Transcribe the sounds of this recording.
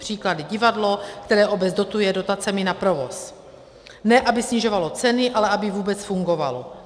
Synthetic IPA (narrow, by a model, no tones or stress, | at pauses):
r̝̥iːkladɪɟɪvadlo̞kt̪ɛɾɛːʔo̞bɛd͡zdo̞t̪ujɛdo̞t̪at͡sɛmɪnapɾo̞vo̞̰s | nɛʔabɪsɲɪʒo̞valo̞t͡sɛnɪʔalɛʔabɪvuːbɛt͡sfuŋɡo̞va̰lo